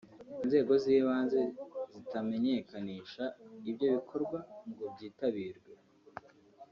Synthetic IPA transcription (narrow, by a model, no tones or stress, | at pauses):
inze̞ːɡo̞ziːβaːnze̞zitame̞ɲe̞kaniʃaibɟo̞βikʰo̞ɾɡwaŋɡo̞bɟiːtaβiːɾɡwe